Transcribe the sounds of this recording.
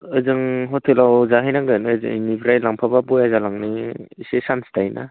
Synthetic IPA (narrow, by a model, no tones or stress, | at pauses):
ɯzɯŋɦɔtʰelawzaɦɯjnaŋɡɯnzɯ̰nibɾajlaŋpʰababɔjazalaŋniisesansdajnʔa̰